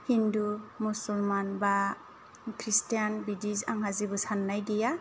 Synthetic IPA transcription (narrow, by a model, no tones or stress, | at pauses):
hindumusulmanba | kʰɾistijanbidizaŋɦazibɔsanːajɡija